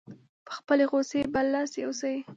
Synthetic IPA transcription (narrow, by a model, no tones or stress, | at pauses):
pə̥xpəleɣoseballɑseosai